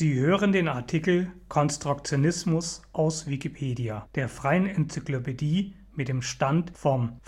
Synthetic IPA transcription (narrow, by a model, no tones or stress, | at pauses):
iːhøːʁ̞əndeːnaɐtʰikl̩kʰɔnstʁ̥ʊkt͡sjonɪsmʊsʔaʊsv̥ikipʰeːdiad̥eːɐfʁ̥aɪənɛnt͡syklopediː | mɪt̚d̥eːmʃtantfɔm